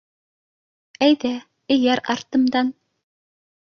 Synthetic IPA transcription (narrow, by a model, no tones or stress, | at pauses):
æjd̪æ | ɘ̆jæɾɑɾt̪ɤ̆md̪ɑn